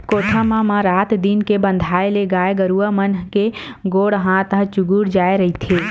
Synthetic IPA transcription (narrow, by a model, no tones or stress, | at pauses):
kot̪ʰəmãmãɾat̪d̪inkebə̃nd̪ʱaeleɡaeɡəɾuəmənɦke | ɡoːɽɦãt̪əɦt͡ʃuɡuɽd͡ʒaeɾəɦit̪ʰi